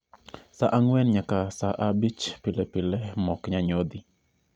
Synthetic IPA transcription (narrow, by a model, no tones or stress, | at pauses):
saʔaŋwɛnɲakasaʔabit͡ʃpɪlɛpɪlɛmɔkɲaɲod̪i